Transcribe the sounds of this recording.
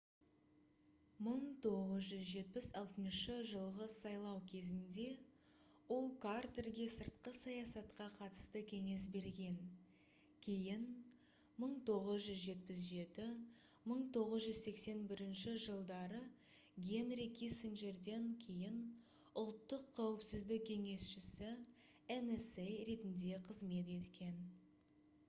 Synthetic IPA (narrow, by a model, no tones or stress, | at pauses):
məɴt̪ʰo̞ʁəzʒʏzʒe̞t̪̚pɪsɑlˠt̪ənʃəʒəlˠʁəsɑjlˠɑwkʲʰe̞zɪnd̪e̞ | wo̞lˠkʰart̪erɡʲe̞səɾt̪qəsɑjɑsɑt̪qɑqʰɑt̪ə̥st̪əkʲʰe̞ŋe̞sbe̞ɾɡʲe̞ŋ | kʲʰe̞jɪn | məɴt̪ʰo̞ʁəzʒʏzʒe̞t̪̚pɪs̬ʒe̞t̪ɪ | məɴt̪ʰo̞ʁəzʒʏzse̞kse̞nbɪɾɪnʃɪʒəlˠd̪ɑɾə | ɡʲenɾikʲʰisiŋʒe̞ɾd̪e̞ŋkʲʰe̞jɪn | ʊlˠt̪ːəqʰːɑwəpsɪzd̪ɪk̚ʲkʲʰe̞ŋe̞sʃɪsɪ | enesejɾe̞t̪ɪnd̪e̞qʰəzme̞t̪̬e̞t̪kʲe̞n